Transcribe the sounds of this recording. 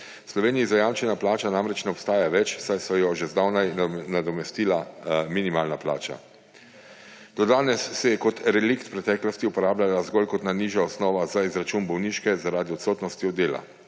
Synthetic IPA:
slɔʋeːnijizajaːmt͡ʃɛnaplaːt͡ʃanaːmɾɛt͡ʃnɛɔpst̪aːjaʋɛt͡ʃsajsɔjɔʒezd̪awnajnad̪ɔmɛst̪iːlaminimaːlnapla̰ːt͡ʃa̰ | d̪̥ɔd̪aːnɛsːɛjɛkɔt̪ɾɛlikt̪pɾɛt̪ɛːklɔst̪iupɔɾaːblʲalazɡɔlkɔt̪naniːʒjaɔsnɔːʋazaizɾat͡ʃuːnbɔwniːʃkɛzaɾaːd̪iɔt̪sɔːt̪nɔst̪iɔd̪eːla̰

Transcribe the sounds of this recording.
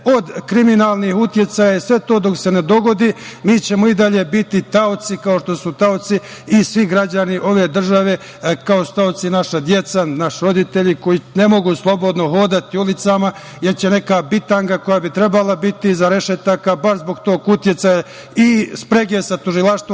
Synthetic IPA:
o̞d̪kɾiminaːlnihut̪je̞t̪sajaisʋe̞t̪o̞ːd̪o̞kse̞ne̞d̪o̞ɡo̞d̪imiːt͡ɕe̞mo̞id̪aʎe̞bit̪it̪aot̪sikao̞ʃt̪o̞sut̪aot̪siː | sʋiɡɾad͡ʑaniʔo̞ʋe̞ːd̪r̩ʒaʋe̞ | kaosu̥t̪aot̪sinaʃad̪je̞t̪sanaʃɾo̞d̪it̪eʎikojine̞mo̞ɡuslˠo̞bo̞d̪noɦo̞ːd̪at̪iulit̪sama | je̞ɾt͡ɕe̞ne̞kaːbit̪aŋɡako̞jabit̪ɾe̞balabit̪izaɾe̞ʃet̪akabaɾzbo̞ɡt̪o̞ːkut̪jet̪saja | ispɾeɡesat̪uʒilaʃt̪ʋo

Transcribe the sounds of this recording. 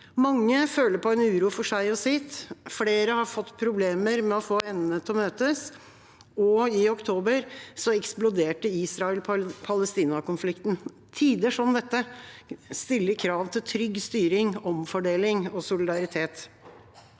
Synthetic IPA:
mɑŋːəføːləɾpɔɛnʉːɾuːfɔʂæɪɔsɪt̪fleːɾəhɑɾfɔt̪ːpʰɾʊbleːməɾmɛɔfoːɛnːnət̪ʰɔmøːt̪əs | ɔɪɔkt̪ʰoːbəɾsɔɛksplʊd̪eːʈəiːsɾɑɛlpʰɑləst̪iːnɑkʊnflɪkt̪n | t̪ʰiːd̪əʂɔmd̪ɛt̪ːə | st̪ɪlːəɾkʰɾɑːʋt̪ʰɪlt̪ʰɾʏɡst̪yːɾɪŋɔmfɔɖeːlɪŋɔsʊlɪd̪ɑɾɪt̪ʰeːt̪

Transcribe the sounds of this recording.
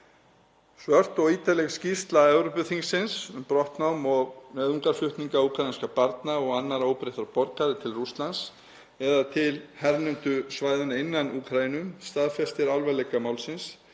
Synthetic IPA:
svœr̥t̪ɔɣiːt̪alɛɣscist̪laɛvɾɔpʏθiŋksːɪnsʏmpɾɔht̪nawmɔɣnœːðuŋkaɾ̥fʏht̪niŋkauːkʰɾajinskapaɾt̪naɔɣanːaɾoːwpɾɪht̪aɾpɔɾkaðɪt̪ʰɪlrust̪lans | ɛðat̪ʰɪlhɛɾnʏnt̪ʏsvaːjðɪnaɪnːanuːkʰɾajinʏmst̪aːðfɛst̪ɪɾalvɛlɛjkamaːwlsɪns

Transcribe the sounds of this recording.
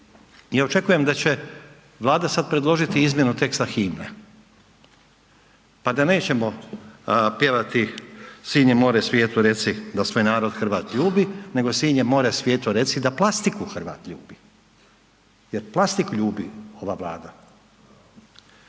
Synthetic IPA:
jao̞t͡ʃe̞kuje̞md̪at͡ɕe̞ | ʋlˠaːd̪asad̪̚pɾe̞d̪lˠo̞ʒit̪iizmjenut̪e̞kst̪axiːmne | pad̪ane̞ːt͡ɕe̞mo̞ | pje̞ʋat̪isiːɲemo̞ːɾesʋje̞ːt̪uɾe̞t̪sid̪asʋoːjnaːɾo̞d̪xr̩ʋaːt̪ʎuːbine̞ɡo̞siːɲemo̞ːɾesʋje̞ːt̪uɾe̞t̪sid̪aplˠast̪ikuxr̩ʋa̰ːt̪ʎṵːbi | je̞ɾplˠast̪ikʎuːbḭo̞ʋaʋlˠa̰ːd̪a

